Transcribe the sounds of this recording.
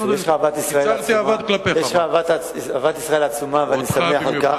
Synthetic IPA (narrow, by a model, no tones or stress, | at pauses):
jeʃχaːvat̪isʁaeaiamvad̪klapejeʃχavat̪ | avat̪isʁaelat͡sumaveanisameaxaka